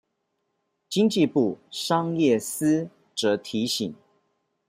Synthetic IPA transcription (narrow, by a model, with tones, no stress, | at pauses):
t͡ɕi˥ŋt͡ɕi˥˧pu˥˨˩ʂɑ˥ŋjɛ˥˩sɹ̩˥ | ʈ͡ʂɤ˧˥˦t̪ʰi˨˦ɕḭ˨˩˦ŋ